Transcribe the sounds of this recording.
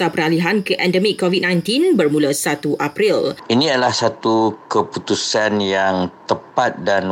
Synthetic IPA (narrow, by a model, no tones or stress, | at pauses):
apəɾaliɦankəʔɛ̃ndəmikːovid̚nãj̃nt̪inbərmũləsat̪uʔapɾilinĩadəlahsat̪ukəput̪usanjaŋt̪əpat̪̚dan